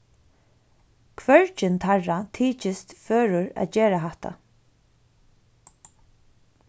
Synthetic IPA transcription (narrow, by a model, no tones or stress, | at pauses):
kʰʋœɹt͡ʃɪnt̪ʰaɹat̪ʰiːt͡ʃɪst̪føːɹʊɹæ̰d͡ʒeːɾaɦaht̪a̰